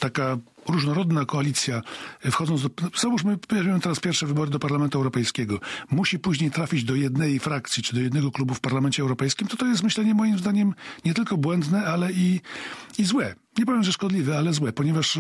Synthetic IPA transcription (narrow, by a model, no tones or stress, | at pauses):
t̪aka | ɾuʐnɔɾɔd̪nakɔalʲit̪sʲjafxɔd̪zɔnd̪ɔz̥avuʂ̬mɘɔjaʒmʲimt̪ɛɾaspʲjɛɾfʂɛvɘbɔɾɘd̪ɔpaɾlamɛnt̪uɛwɾɔpɛjskʲɛɡɔmuɕipuʑɲejt̪ɾafʲid͡ʑd̪ɔjɛd̪nɛjjfɾak̚t̪sʲjit͡ʂɘd̪ɔjɛd̪nɛɡɔklubufpaɾlamɛnt͡ɕɛwɾɔpɛjskʲimt̪ɔt̪ɔjɛst̪mɘɕlɛɲɛmɔjimzd̪aɲɛmɲɛt̪ɘlkɔbwɛnd̪nɛalɛi | izwɛ | ɲɛpɔvʲjɛmʐɛʂkɔd̪lʲivɛalɛzwɛpɔɲɛvaʂ